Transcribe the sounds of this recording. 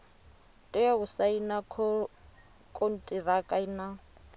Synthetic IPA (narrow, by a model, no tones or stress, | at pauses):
tʼɪjɔɣʊsainakʰ | kʼon̩tʼirakʼaina